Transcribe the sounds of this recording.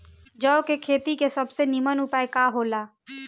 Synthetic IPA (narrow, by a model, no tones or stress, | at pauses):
d͡ʒəokekʰeːt̪ikesəbsenimənupaekaɦola